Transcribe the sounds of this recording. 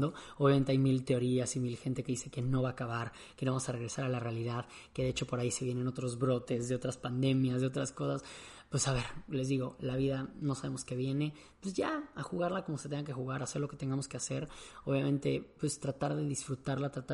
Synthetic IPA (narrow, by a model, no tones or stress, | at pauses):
d̪o̞o̞βjament̪e̞ajmilt̪e̞o̞ɾiasimilxe̞nt̪eke̞ðise̞ke̞no̞βaːkaβaɾ | ke̞noamosare̞ɣɾe̞saɾalarealiðað | keðe̞et͡ʃo̞po̞ɾaise̞βjene̞no̞t̪ɾo̞zβɾo̞t̪e̞zðe̞o̞t̪ɾaspand̪e̞mjazðe̞o̞t̪ɾasko̞saspwe̞saβe̞ɾle̞zðiɣo̞laβ̞iðano̞saβe̞mo̞ske̞βje̞ne̞ | pwe̞zʝaaxuɣaɾlako̞mo̞se̞t̪e̞ŋɡak̬e̞xuɣaɾase̞ɾlo̞ke̞t̪e̞ŋɡamo̞ske̞ase̞ɾo̞βjamẽ̞nt̪e̞pwe̞st̪ɾat̪aɾðe̞ðisfɾut̪aɾlat̪ɾat̪a